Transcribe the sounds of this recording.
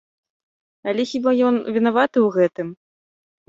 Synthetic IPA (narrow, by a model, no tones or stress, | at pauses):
ɐlʲɛxʲibajɔnvʲinavat̪ɨwɣɛt̪ɨm